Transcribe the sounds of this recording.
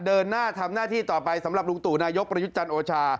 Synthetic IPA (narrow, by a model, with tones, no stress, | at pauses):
dɤː˧nːaː˥˩t̪ʰa˧mnaː˥˩t̪ʰiː˥˩t̪ɔː˨˩pa˧jsa˩˦mɾa˨˩p̚lu˧ŋt̪uː˨˩naː˧jo˦˥k̚pɾa˧ju˦˥t̪̚t͡ɕa˧nʔoː˧t͡ɕʰaː˧